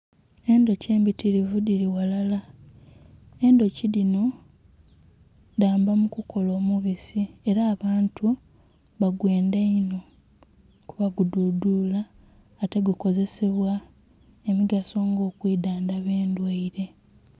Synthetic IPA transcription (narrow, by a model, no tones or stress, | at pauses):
e̞ndo̞ce̞ːmbitʰiɾivudiɾiwalala | e̞ndo̞cilino̞ | daːmbamukukʰo̞lo̞ːmuβisie̞ɾaːβaːntʰu | βaɡwe̞ːndaino̞ | kuβaɡududulaː | te̞ɡwiko̞ze̞se̞βwa | emiɡaso̞ːŋɡo̞ːkwiːdaːndaβe̞ːndweiɾe̞